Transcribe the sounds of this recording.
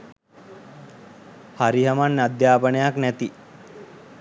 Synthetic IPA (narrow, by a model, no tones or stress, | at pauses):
haɾiɦamanːad̪jaːpənəjaknæt̪i